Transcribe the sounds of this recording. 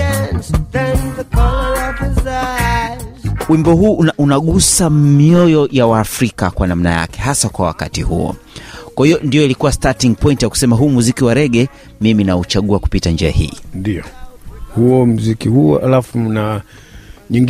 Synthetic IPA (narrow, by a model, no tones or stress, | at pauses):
za | wimbɔɦuːaʔunaɠusamiɔjɔjawaːfɾikakwanam̩naja̰kɛ̥ɦasakwawa̰ka̰tihṵɔ̰ | kwahijɔndijɔilikuwastatiŋɡ̚pɔjintijaku̥sɛmaɦuːmuzikiwaɾɛɠɛ | miminaut͡ʃaɠuaku̥pitand͡ʒɛa̰hḭːndiɔhuɔm̩zikihṵa̰lafuna | ɲiŋɡ